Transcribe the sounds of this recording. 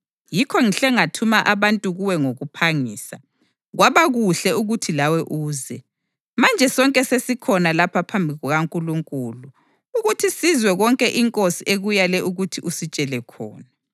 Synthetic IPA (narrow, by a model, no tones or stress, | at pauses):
jikʰɔŋiɬɛŋatʰumaʔaβantʼuɣuwɛŋoɣupʰaŋiːsa | ɣwaβaɣuɬɛuɣutʰilawɛʔuːzɛ | mand͡ʒʱɛsɔŋkʼɛsesikʰɔnalapʰapʰambʱiiɣuɣaŋkʼuluŋkʼulu | uɣutʰisizwɛɣɔŋkʼɛʔiŋkʼosiʔeɣujalɛʔuɣutʰiʔusit͡ʃʼɛlɛkʰɔ̰ːna